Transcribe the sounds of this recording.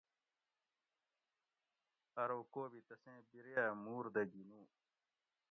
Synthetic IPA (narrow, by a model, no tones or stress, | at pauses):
ɐɾoːkoːbit̪ɐsẽːbiɾejamuːɾd̪ɐɡinũː